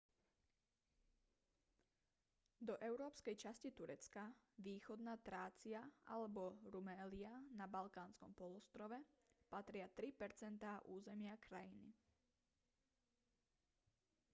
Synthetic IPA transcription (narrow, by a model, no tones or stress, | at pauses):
d̪ɔʔɛʊɾɔːpskɛjt͡ʃascit̪uɾɛt͡skaʋiːxɔd̪naːt̪ɾaːt͡sɪaʔa̰lɛbɔɾumɛːlianabalkaːnskɔ̰mpɔlɔst̪ɾɔʋɛpat̪ɾɪat̪ɾipɛɾt͡sɛnt̪aːʔuːzɛmɪakɾajinḭ